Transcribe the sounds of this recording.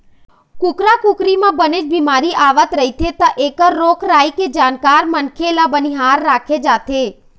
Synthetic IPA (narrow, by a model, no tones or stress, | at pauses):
kʊkɾakukɾimãbəned͡ʒbimaɾiʔaʋət̪ɾəɦit̪ʰet̪əʔeːkəɾːoːkʰɾaːiked͡ʒaːnkaːɾmənkʰelabəniɦaːɾːaːkʰed͡ʒaːt̪ʰe